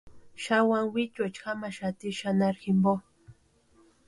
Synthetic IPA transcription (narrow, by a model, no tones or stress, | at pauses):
ʃawaŋwit͡ʃat͡ʃxamaʃat̪iʃanaɾxɪmbo